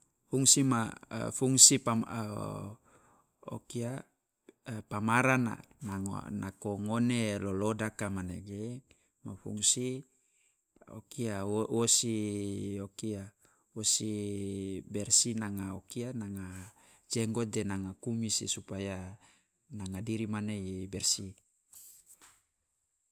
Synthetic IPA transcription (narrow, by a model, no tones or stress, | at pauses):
fuŋsima̰fuŋsipa | o̰kia | pamaɾana̰ | nanakoŋonelolodakamaneɡe | mafṵŋsi | o̰kiawosiokia | wosi | bɛrsinaŋaokianaŋa | d͡ʒeŋɡɔdenaŋakumisḭsupaja | naŋadiɾimaneibɛrsi